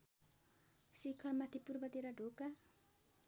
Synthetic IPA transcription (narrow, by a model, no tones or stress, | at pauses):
sikʰʌrmat̪ʰipurbʌt̪eɾaɖʱoka